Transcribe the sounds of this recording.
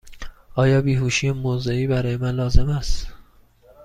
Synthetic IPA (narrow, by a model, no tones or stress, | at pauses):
ʔɒːjɒːbiːɦuːʃiːemozeiːbæɾɒːjemænlɒːze̞mæst̪